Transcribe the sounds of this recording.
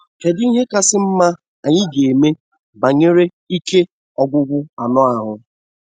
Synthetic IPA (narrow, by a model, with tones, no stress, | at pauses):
t͡ʃe˨di˦ɦe˦ka˦sɪ˦m̩˦ma˦ | a˨ɲɪ˦ɡe˨e˨me˦ | ba˨ɲe˦ɾe˦ | i˦ke˦ | ɔ˨ɡʷʊ˦ɡʷʊ˦a˨nɔ˦a˨ɦʊ˨